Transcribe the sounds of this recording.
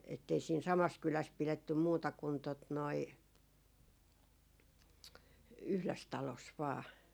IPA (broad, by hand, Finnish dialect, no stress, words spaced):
etːei siːn sɑmɑs kylæs piletːym muːtɑ kun tot noi yhles tɑlos ʋɑː